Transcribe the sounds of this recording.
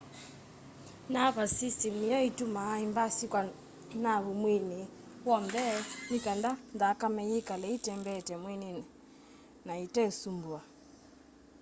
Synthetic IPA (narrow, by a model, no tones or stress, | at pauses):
naβasisɛmiɔitumaimbasikwa | naɣumwini | wɔnbɛnikandandakamɛjikalɛitɛmbɛtɛmwɛninɛ | naitɛsumbua